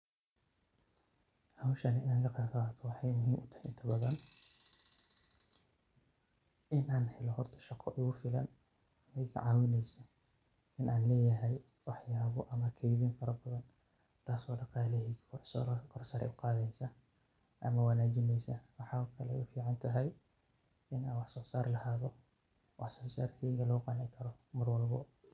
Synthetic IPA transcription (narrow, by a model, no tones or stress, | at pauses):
hɐwʃɐnɪɪnɐɣɐqɑːfat̪ʰɔwɑħɑjmʊɦiːmʔʊt̪ʰɐhɛjʔɪnt̪ʰɐbɐðɐn | ʔɪnʔaːnhɛlɔɦɔrt̪ʰɐ̥ʃɑqɔʔʊɣʊfɪlɐ̰n | ɐmɛjkʰʕɑːwɪnɛjsɐ | ɪnʔaːnlɛːjɐɦɛj | wɑħjaːβɔʔɐmɐkʰɛjðiːnfɐɾɐbɐðɐn | t̪ʰaːsɔːɖɑqɑːlɛɦikkʰsɔːlkʰɔrsɐɾɛ̰ʔʊqɑːðɛjsɐ | ʔɐmɐwɐnaːt͡ʃɪnɛjsɐwɑħɑɔkʰɐlɛʊfiːʕɑnt̪ʰɐɦɛj | ʔɪnaːnwɑħsɔːsaːrlɐhaːðɔ | wɑħsɔːsaːrkʰiːɣɐlɐɣʊqɑːnɪŋkʰɐɾɔmʊrwɐlbɔ